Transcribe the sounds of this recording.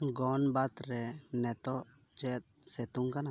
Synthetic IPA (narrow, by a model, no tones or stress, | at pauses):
ɡɔnbat̪ɾɛnɛt̪ɔ | t͡ʃɛt̪̚sɛt̪uŋkana